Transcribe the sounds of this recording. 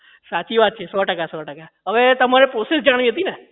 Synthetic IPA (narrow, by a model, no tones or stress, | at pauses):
sat͡ʃiʋat̪̚t͡ʃʰesɔʈəkasɔʈəkaɦəʋet̪əmaɾepɾosesd͡ʒaɽ̃ʋĩɦət̪ine